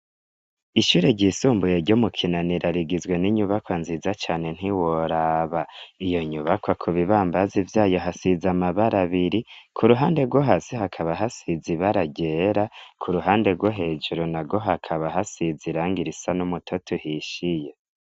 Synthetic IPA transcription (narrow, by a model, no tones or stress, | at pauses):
iʃuːɾeɟiːsuːmbujeɾɟomukʰinaniɾʔaɾiɡizɡwe̞niɲuβakwanzizat͡ʃaːne̞n̥iwoɾaːβaijo̞ɲuβakwakʰuβiβaːmbazivjaːjo̞ɦasizamaβaɾaβiɾikʰuɾuɦaːnde̞ɡwoɦasihakʰaβaɦasiziβaɾaɟeɾakʰuɾuɦaːnde̞ɾɡwoɦe̞ːd͡ʒuɾonaɡoɦakʰaβaɦasiziɾaːŋɡiɾisanumutʰotʰuhiʃije